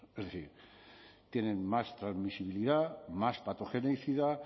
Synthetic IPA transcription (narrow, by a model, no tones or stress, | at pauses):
ezðeθiɾ | t̪jenẽŋmast̪ɾazmisiβ̞iliðamaspat̪oxenejθiða